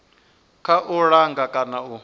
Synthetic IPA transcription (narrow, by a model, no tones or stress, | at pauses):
kʰaʔuɺaŋɡakʼanau